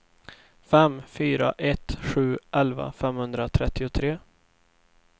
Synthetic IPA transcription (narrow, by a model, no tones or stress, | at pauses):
fɛmfyːɾa̰ʔɛt̪ɧʉ̟ːʔɛlva̰fɛmhɵnd̪ɾat̪ʰɾɛt̪ːɪʊt̪ʰɾeː